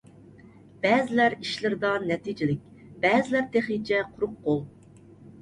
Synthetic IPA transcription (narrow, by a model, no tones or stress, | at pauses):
b̥ɛzɪlæɾiʃlɪɾɪd̪ɑnɛt̪ʰid͡ʒilɪk̚ʲb̥ɛːzɪlæɾt̪ʰeχit͡ʃʰɛqʰʊɾʊqːolˠ